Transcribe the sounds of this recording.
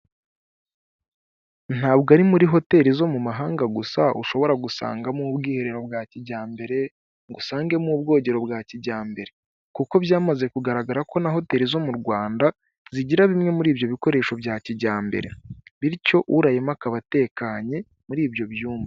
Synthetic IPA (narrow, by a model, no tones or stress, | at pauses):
n̥aːbɡaɾimuɾiɦo̞te̞ɾizo̞mumaɦaːŋɡaɡusaṵʃo̞βo̞ɾaɡusa̰ːŋɡamubɡiːhe̞ɾe̞ɾo̞bɡaːciɟaːmbe̞ɾe̞ | ŋɡusaːŋɡe̞muːbɡo̞ːɲɟe̞ɾo̞bɡaːciɟaːmbe̞ɾe̞ | kuko̞βjaːmaze̞kuɡaɾaɡaɾako̞naɦo̞te̞ːɾizo̞muɾɡwaːnda | ziɟiɾaβimŋe̞muɾiːbjo̞βiko̞ɾe̞ːʃo̞bjaːciɟaːmbe̞̰ɾe̞̰βiɾco̞ʔuɾajemakaβate̞ːkaːɲe̞ | muɾiːbjo̞βjuːmva